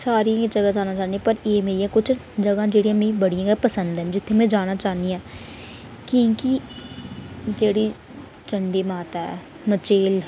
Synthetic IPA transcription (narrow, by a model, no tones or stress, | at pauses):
saːɾiãd͡ʒəɡãːd͡ʒaːnaːt͡ʃaːnd̪iãpəɾeːmeːijãːkʊt͡ʃʰ | d͡ʒəɡãːd͡ʒeːɽijãːmẽibəɽijãːɡɛpəsənd̪ɛ̃nd͡ʒɪt̪ʰːeːmɛ̃ːd͡ʒaːñaːt͡ʃaːniãː | kĩːki | d͡ʒeːɽiː | t͡ʃəɳɖeːmaːt̪aːɛ̰ː | mət͡ʃeːl